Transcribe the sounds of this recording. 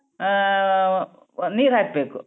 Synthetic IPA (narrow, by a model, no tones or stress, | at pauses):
niːɾɦaːk̚beːku